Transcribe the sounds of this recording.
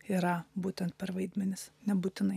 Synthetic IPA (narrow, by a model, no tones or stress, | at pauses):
iɾɐbuːt̪ʲɛnt̪̚pʲɛɾʋɐɪd̪ʲmʲɛnʲɪsnʲɛbuːt̪ʲɪnɐɪ